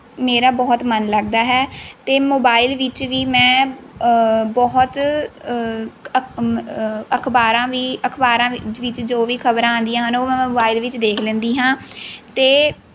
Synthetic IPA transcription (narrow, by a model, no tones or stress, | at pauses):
meːɾaːbɔːt̪mənləɡ̚d̪aːɦɛːt̪eːmoːbaːilʋɪt͡ʃʋiːmɛ̃ː | bɔɦt̪ | əkʰbaːɾãːʋiːəkʰbaːɾãːɪʋɪt͡ʃd͡ʒoːʋiːkʰəbɾãːãːnd̪ijãːɦənoːmɛ̃ːmoːbaːilʋɪt͡ʃd̪eːkʰlẽːnd̪iːɦãːt̪eː